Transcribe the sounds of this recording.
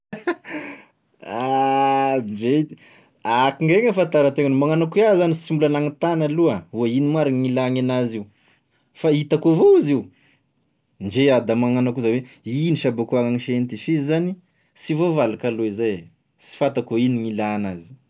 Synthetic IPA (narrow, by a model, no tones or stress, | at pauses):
a | d͡ʒeit̪i̥ | akiŋɡeŋəfant̪aɾət̪eŋanmaŋanakuazanisimulanaŋit̪analuauainimaɾaŋilaŋanaziu | fait̪akovouziu | nd͡ʒead̪amaŋanakuzaweiniʃabakuaŋaŋiʃent̪ifiizani | sivovalakaloizaj | si̥fat̪akoiniŋilanazi̥